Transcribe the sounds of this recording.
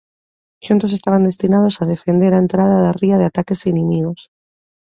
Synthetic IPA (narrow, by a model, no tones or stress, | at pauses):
ʃunt̪o̞set̪aβ̞and̪e̞st̪inað̞o̞saðe̞fe̞nd̪eɾaent̪ɾað̞aðariaðeat̪ake̞sinimiɣ̞o̞s